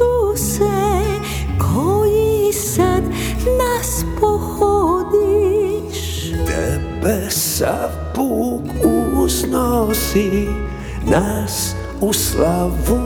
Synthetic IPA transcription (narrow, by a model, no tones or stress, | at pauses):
usɛ | kʰojisad̪ | naspɔhod̪i | ʃ | nɛ̰bɛsa̰fpukuznosi | nas | uslavu